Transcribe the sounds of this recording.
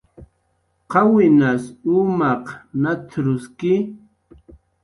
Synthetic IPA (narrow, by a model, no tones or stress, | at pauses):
qɑwɪnasumaqnat̪ʰɾʊskɪ